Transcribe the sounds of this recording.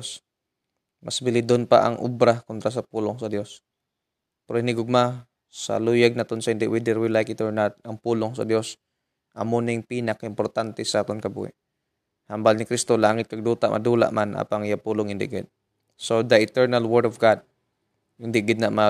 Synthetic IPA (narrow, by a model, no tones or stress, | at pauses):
s | mʔasbɪlɪd̪onpa̰ʔaŋʔobɾakont̪ɾas̬ɐpuːloŋsɐd̪jo̞s | pɛɾoɪnɪɡʊɡ̚ma | sa̰luːjaɡ̚nat̪onsɐhɪnd̪ɪʔwɪd̪ɛɾwɪlajkɪt̪ɛɹnat̪̚ɐŋpuːloŋsɐ̰d̪jos | ʔɐ̰monɪŋpiːnɐkaɪmpoɾt̪ant̪ɛsaʔaːt̪onkɐbṵːhɪ̰ʔ | hambalnɪkɾist̪olaːŋɪt̪̚kaɡ̚d̪uːt̪aʔmʔɐ̰d̪uːla̰ʔmʔanʔa̰ːpaŋjapuːloŋhɪnd̪ɪ̰ʔɡɪd̪̚ | sod̪ɐɪt̪ɛɹnalwɛɹdɔvɡad̪̚ | hɪnd̪ɪʔɡɪd̪naʔma